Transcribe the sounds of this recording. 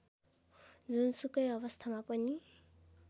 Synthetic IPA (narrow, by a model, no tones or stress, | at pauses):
d͡zunsukʌjʌbʌst̪ʰamapʌni